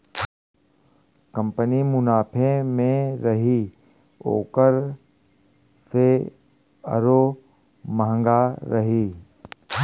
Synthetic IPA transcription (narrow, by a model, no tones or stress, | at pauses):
kɐ̃mpənimʊnaːpʰemẽɾɐɦi | o̰ːkəɾ | se | ə̰ɾo | məɦə̃ŋɡaɾɐɦiː